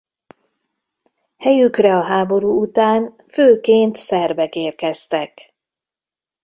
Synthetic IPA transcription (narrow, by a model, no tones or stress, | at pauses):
hɛjykrɛɒɦaːbo̞ɾuːut̪aːn | føːkeːnt̪sɛrbɛkeːrkɛst̪ɛk